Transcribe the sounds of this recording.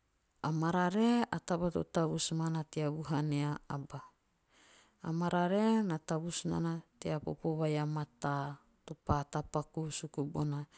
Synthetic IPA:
amaɾaɾeatabato̰taβusmanateaβuɦaneaaba | maɾaɾenataβusna̰nateapo̰poβajamata | topatapakusukubona

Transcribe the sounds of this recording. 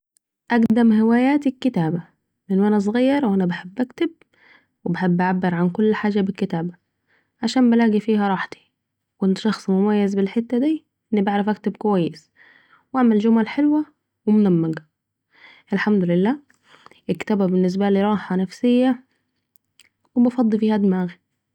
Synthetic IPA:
ʔæɡd̪æmhewæːjæːt̪ikːɪt̪æːbæ | lʔenːʔænæs̬ˤɣɑjːɑɾˤwʔænæbaħebːʔækt̪eb̚ | webaħebːʔaʕabːeɾʕankolːħaːʒæbekːet̪æːbæ | ʕaʃæːmbælæːɡifiːhæɾˤɑːħt̪i̥ | kʔɪnt̪ʃɑxsˤmʊmæjːæzbelħet̪ːæd̪iː | ʔɪnːbaʕɾɑfʔæk̚t̪ɪb̚kowæjːɪs | wʔaʕmæld͡ʒʊmælħelwæ | wɪmʊnæmːæɡ | ʔelħamd̪ʊlɪlːæː | ʔɪkːt̪æːbæbɪnːɪs̬bæliɾˤɑːħɑnæfsɪjːæ | webɑfɑd̪ˤːifiːhæd̪mæːɣ

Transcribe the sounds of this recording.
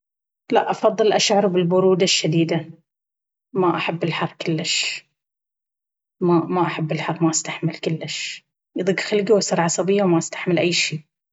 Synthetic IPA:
laʔʔɑfɑðˤːɨlʔaʃʕɑɾˤbɪlbʊɾuːd̪aʃːad̪iːd̪a | maʔaħabːɪlħɑrˤːkʊlːɪʃ | mamaʔaħabːɪlħɑrˤːmaʔast̪aħmɪlkɪlːɪʃ | jðˤɨɡxalɡiwasɑɾˤʕɑsˤɑbɪjːawmaʔast̪ḁħmɪlʔajːʃiː

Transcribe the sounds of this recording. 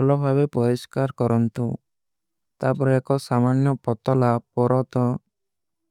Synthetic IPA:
bʰʱɔlɔbʱabepɔɾiskaɾkɔɾɔnt̪u | t̪apɔɾeekɔsamanjɔpɔt̪ɔlap̚ɔɾɔt̪ɔ

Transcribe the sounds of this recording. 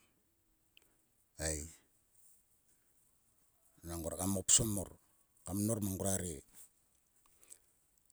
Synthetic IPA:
aj | naŋɡoɾakamopsomo̰ɾ | kamnoɾmaŋɡuɾaɾe

